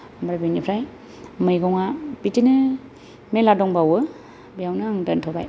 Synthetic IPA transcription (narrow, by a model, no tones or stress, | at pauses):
mɾabinipʰɾaj | mɯjɡɔŋabitinɯ | meladɔŋbawɯ | bijawnɯŋdɯntʰɔba̰j